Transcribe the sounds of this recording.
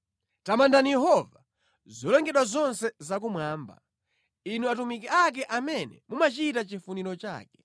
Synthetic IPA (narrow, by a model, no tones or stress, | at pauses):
tamandanijɛɦɔva | zɔlɛŋɡɛɗwazɔnsɛzak̬umwaːmba̰ | inuatumikɛak̬ɛʔamɛnɛ̰mumat͡ʃiːtat͡ʃifuniɾɔt͡ʃa̰ːkɛ